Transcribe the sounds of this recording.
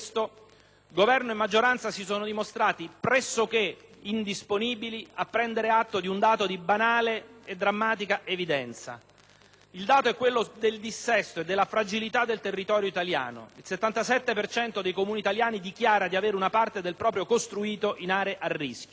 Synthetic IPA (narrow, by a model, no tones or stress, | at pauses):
st̪o | ɡovɛrnoemːad͡ʒːoɾant̪sasisoːnod̪imost̪ɾaːt̪ipɾɛsːok̟eind̪isponiːbiliapːɾɛnd̪eɾeat̪ːod̪iund̪aːt̪od̪ibanaːleed̪ːɾamːaːt̪̬ikaʔevid̪ɛnt̪sa̰ | ild̪aːt̪oɛkːwelːod̪eld̪isːɛst̪oed̪ːelːafɾad͡ʒilit̪ad̪ːelt̪erːit̪ɔːɾjoit̪alja̰ːno̰ilset̪ːant̪asɛt̪ːepert͡ʃɛnt̪od̪ejkomuːnit̪aljaːnid̪ikjaːɾad̪iaveːɾeunapart̪ed̪elpɾɔːpɾjokost̪ɾuiːt̪oʔinaːɾeʔarːiskʲjo